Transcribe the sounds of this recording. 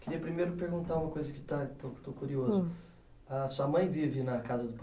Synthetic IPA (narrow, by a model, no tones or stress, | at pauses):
kɪɾiɐpɾimejɾʊpeɾɡũnt̪aɾũmɐkojzɐkɪ̥t̪at̪ot̪okuɾiozʊ | ɐsuɐmɐ̃j̃vivɪnɐkazɐd̪ʊp